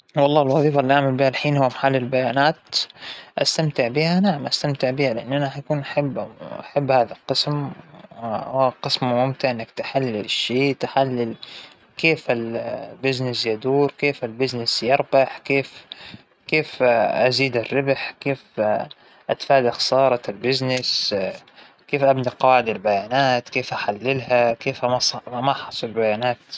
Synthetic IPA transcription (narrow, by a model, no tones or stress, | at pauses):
wɑlˤːɑːlwɑðˤiːfalːiʔaʕmalbiːhalħiːnhʊwːmaħalːɪlbajaːnaːt̪ʔast̪amt̪ɪʕbiːhanaʕamʔast̪amt̪ɪʕbiːhalɪʔɪnːʔanaħjakuːnʔaħabːʔaħabːhaːðalqɨsm | hqɨsmmʊmt̪ɪʕʔɪnːak̚t̪ɪħalːɪlɪʃːeːt̪ɪħalːɪl | keːfɪlbɪznɪsjad̪uːɾkeːfɪlbɪznɪsjɑɾˤbɑħkeːf | keːfʔaziːd̪ɪrːɪbħkeːf | ʔat̪faːd̪axsɑːɾˤɑlbɪznɪs | keːfʔabniqɑːʕɪd̪albajaːnaːt̪keːfʔaħalːɪlɦakeːfamamaʔħɑsˤɑbajaːnaːt̪